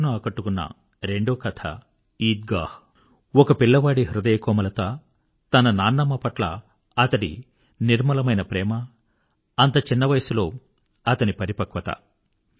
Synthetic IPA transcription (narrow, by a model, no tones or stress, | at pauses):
nuaːkɐʈːukunːɐ̰ | ɾeɳɖoːkɐt̪ʰɐ̰ | iːt̪̚ɡaːh | ɔkɐpiɭːɐʋaːɽiɦɾud̪ɐjɐkɔːmɐlɐt̪a | t̪ɐnɐnaːnːɐmːɐpɐʈlɐ̰ | ɐt̪ɐɽḭ | niɾmɐlɐmɐjnɐpɾɛːmɐː | nt̪ɐt͡ʃinːɐʋɐjɐsulo̞ː | ɐt̪ɐnipɐɾipɐkʋɐt̪ɐ̰